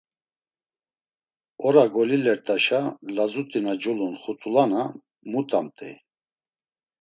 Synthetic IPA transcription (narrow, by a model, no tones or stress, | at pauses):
ɔɾaɡɔlilɛɾt̪ʼaʃalazut̪ʼinad͡ʒɔlɔnχut̪ʼulana | mut̪ʼamt̪ʼɛ̰